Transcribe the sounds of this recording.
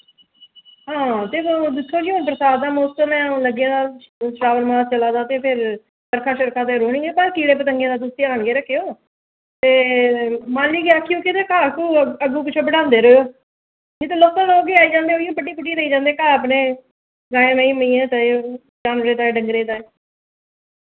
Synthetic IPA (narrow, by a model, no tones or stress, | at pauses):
ɦãːt̪eːkod̪ɪkʰːoːd͡ʒiːɦonpɾəsaːd̪aːmoːstəmɛ̃ːləɡjãːd̪aːsɾaːʋəɾmãːst͡ʃəlaːd̪ãːt̪eːpʰɪɾ | spəɾkʰãːʃəɾkʰãːt̪̬eːɾoːɳĩːɡeːbəɾkiːɽeːp̬ət̪əŋɡjãːd̪aːt̪̬ʊsiːaːnɡeːɾəkʰːeːoː | t̪eː | mãːnliːkeaːkʰːjõːkɪt̪eːkaːkuːəɡũːkɪt͡ʃʰõːbəɽãːnd̪eːɾoːjoː | d͡ʒɪt̪eːloːt̪ãːloːɡiːaːiːd͡ʒãːnd̪eːoːiõːbəɖiːpʊʈːiːɾəiːd͡ʒãːnd̪eːkaːəp̬neː | ɡaːẽːmeːĩːməĩːẽːt̪aeo | d͡ʒaːnɾeːt̪aːeːɖəŋɡɾeːt̪aːe